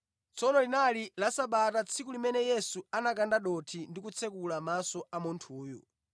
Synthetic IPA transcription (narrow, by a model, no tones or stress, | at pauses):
t͡sʰɔnɔlinalilasaɓatat͡sʰikulimɛnɛjɛsuanak̬andaɗɔtʰindik̬ut͡sʰɛkulamasɔamuntʰuːjṵ